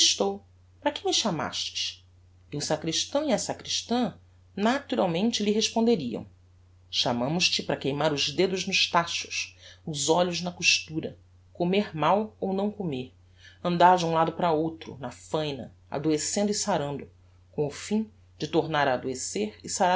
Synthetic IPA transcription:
ʃt̪ow | pɾɐkɪmɪʃama̰ʃt͡ʃɪ̥ʃ | iʊsakɾiʃt̪ɐ̃w̃iɐsakɾiʃt̪ɐ̃ | nat̪uɾawmẽnt͡ʃɪliɦeʃpõnd̪eɾiɐ̰̃w̃ | ʃamɐ̃mʊʃt͡ʃɪpɾɐkejmaɾʊzd̪ed̪ʊznʊʃt̪aʃʊ̥sʊzɔʎʊznɐkuʃt̪uɾɐ | komeɾmawownɐ̃w̃komeɾ | ɐ̃nd̪aɾd͡ʒũlad̪ʊpɾɐowt̪ɾʊ̰nɐfɐ̃jnɐ̰ | a̰d̪oesẽnd̪ʊisaɾɐ̃nd̪ʊ | kõʊfĩ | d͡ʒɪt̪oɾnaɾaːd̪oeseɾɪsaɾa

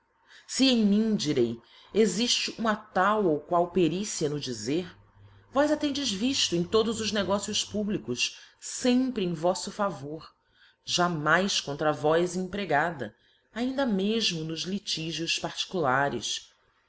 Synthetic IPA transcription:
siẽj̃mĩd͡ʒiɾej | eziʃt͡ʃɪʔũmɐt̪awowkwawpeɾisiɐnʊd͡ʒizeɾ | vɔjzat̪ẽnd͡ʒɪzviʃt̪ʊẽj̃t̪od̪ʊzʊzneɡɔsiʊspublikʊʃsẽmpɾɪẽj̃vɔsʊfavoɾ | ʒamajskõnt̪ɾɐvɔjzĩpɾeɡad̪ɐ̰ | aĩnd̪ɐmeʒmʊnʊzlit͡ʃiʒiʊspaɾt͡ʃi̥kulaɾɪ̰s

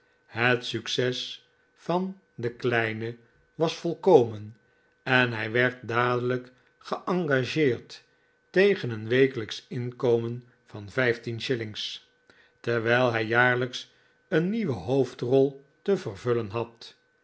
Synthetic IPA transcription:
ɦətsyksɛs | fɑn | dəklɛjnə | ʋɑsfolˠkowmən | ɛnɦɛjʋɛɹt̚daːdələk | χəʔɑŋɡaʒɪːrtː | ejχənənʋejkələksɪnkowmən | v̥ɑnvɛjftinʃɪlɪŋs | təɹʋɛjlˠɦɛjːaːɹləks | ənːiʋəɦowftrɔlˠ | təvərvɵlənɦɑt

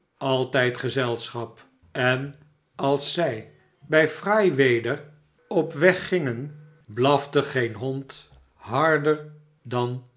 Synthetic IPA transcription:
ɑlˠtɛjtχəzɛlˠsχɑp | ɛn | ɑlˠsːɛj | bɛjfrajʋejdər | ɔpʋɛχːɪŋən | blɑfdəχejnɦɔnt | ɦɑɹdəɹ | dɑn

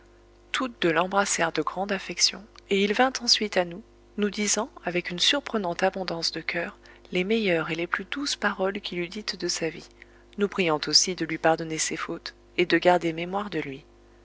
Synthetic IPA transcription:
t̪ʰut̪̚d̪əlɑ̃bʁasɛʁd̪əɡʁɑ̃d̪afɛksjɔ̃eilvɛ̃t̪ɑ̃sɥit̪anu | nud̪izɑ̃avɛkynsyʁpχənɑ̃t̪abɔ̃d̪ɑ̃sd̪əkʲʰœːʁ | lemejœʁeleplyd̪uspaʁɔlkʲilyd̪it̪d̪əsavi | nupχijɑ̃t̪osid̪əlɥipaʁd̪ɔnesefot̪ | ed̪əɡaʁd̪ememwaʁd̪əlɥi

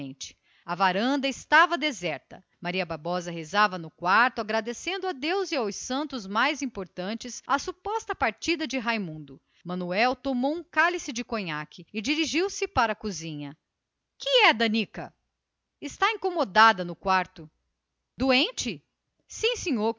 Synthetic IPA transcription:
ẽt͡ʃɪ̥ | avaɾɐ̃nd̪ɐɪst̪avɐd̪ezɛɾt̪ɐ̰ | maɾiɐbabɔzɐɦezavɐnʊkwaɾt̪ʊaɡɾad̪esẽnd̪ʊad̪ewziawsɐ̃nt̪ʊzmajzĩpoɾt̪ɐ̃t͡ʃɪsasupɔst̪ɐpaɾt͡ʃid̪ɐd͡ʒɪɦajmũnd̪ʊ | mɐ̃nuɛwt̪omowũkalisɪd͡ʒɪkõɲakɪɪd͡ʒiɾiʒiwsɪpaɾɐkuzĩɲɐ | kɪɛd̪ɐnikɐ̰ | ɪst̪aĩŋkomod̪ad̪ɐnʊkwaɾt̪ʊ | d̪uẽnt͡ʃɪ | sĩsẽɲoɾ

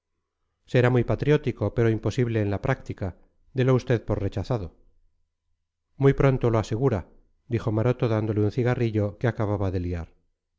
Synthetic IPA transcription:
seɾamujpat̪ɾjo̞t̪iko̞pe̞ɾo̞impo̞siβle̞ːnlapɾʔak̚t̪ika | d̪eloust̪e̞ðpo̞ɾre̞t͡ʃaθaðo | mujpɾo̞nt̪o̞lo̞ase̞ɣ̞uɾa | d̪ixo̞maɾo̞t̪oðand̪o̞leunθiɣariʎo̞keakaβaβaðe̞liaɾ

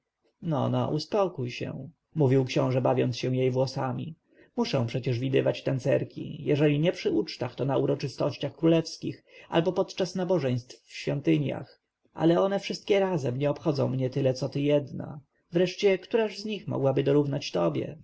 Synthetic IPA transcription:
nɔ̰na̰ʔuspɔkujɕɛ̰ | muvʲiwkɕɔ̃w̃ʐɛbavʲjɔntsɕɛw̃jejvwɔsamʲi | muʂɛ̃w̃pʂɛt͡ɕɛʐvʲid̪ɘvat͡ɕt̪ɛnt̪sɛɾkʲʰḭjɛʐɛlʲiɲɛpʂɘut͡ʂt̪axt̪ɔnauɾɔt͡ʂɘst̪ɔɕt͡ɕaxkɾulɛfskʲixʔa̰lbɔpɔt̪t͡ʂasnabɔʐɛj̃st̪fɕfʲɔnt̪ɘɲja̰x | ʔa̰lɛɔnɛfʂɘst̪̚kʲɛɾazɛmɲɛɔpxɔd̪zɔ̃w̃mɲɛt̪ɘlɛt̪sɔt̪ɘjɛd̪na̰ | vɾɛʂt͡ɕɛkt̪uɾaʐzɲixmɔ̰ɡwabɘd̪ɔɾuvnat͡ɕt̪ɔbʲjɛ̰

